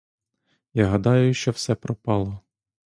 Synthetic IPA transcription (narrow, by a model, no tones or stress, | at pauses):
jaɦɐd̪ɑjʊʃt͡ʃɔwsɛpɾɔpɑlˠɔ